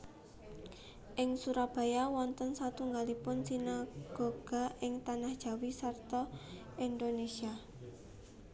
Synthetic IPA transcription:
ʔɪŋsuɾab̥a̤jawɔnt̪ənsat̪uŋɡalipʊnsinaɡ̥oɡ̥a̤ʔɪŋt̪anahd̥ʒ̥a̤wisart̪ɔ | ind̪onesia

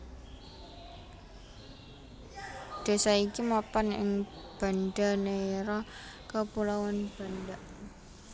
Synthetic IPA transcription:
d̪̥a̤saikimapanɪ̰ŋ | b̥a̤nda̤neɾɔkapulawanb̥a̤nd̪aʔ

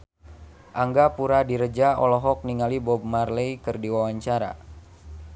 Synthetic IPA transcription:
ʔaŋɡapuɾadiɾəd͡ʒaɔlɔɦɔk̚niŋalibɔb̚marlejkɨrdiwawaɲt͡ʃaɾa̰

